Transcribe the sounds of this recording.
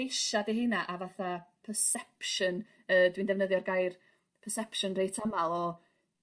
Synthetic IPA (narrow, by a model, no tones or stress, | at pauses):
jʃadiɦɨnaʔavaθapʰəsɛpʃən | əːdwindɛvnəðjɔrɡajr | pʰərsɛpʰʃənrejtʰamalˠɔ